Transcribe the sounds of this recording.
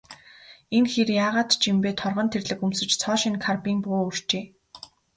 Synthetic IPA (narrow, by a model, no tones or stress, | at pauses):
eŋxerjaːʁaːt̪t͡ɕimpeːt̪ʰɔrʁɞ̆nt̪ʰerɮɘ̆kumsɵ̆t͡ɕt͡sʰɔːʃĭnkʰarpiːŋpoːur̥t͡ɕeː